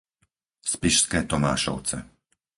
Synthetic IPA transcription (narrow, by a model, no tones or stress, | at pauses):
spiʃskɛːt̪ɔma̰ːʃɔ̰ʊt͡sɛ̰